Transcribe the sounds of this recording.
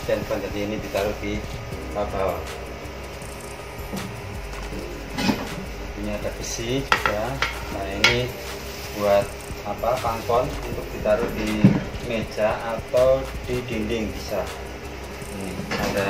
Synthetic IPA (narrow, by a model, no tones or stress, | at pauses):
pɛnpɔnd͡ʒadiːnidit̪aɾud̥ipabal | ut̪uɲaadabisid͡ʒuɡ̥asajaini | b̥uat̪̚ | apakaŋpɔnunt̪ʊk̚d̥it̪aɾuhdime̥d͡ʒ̥aːt̪awd̥idindɪŋbisa | iniada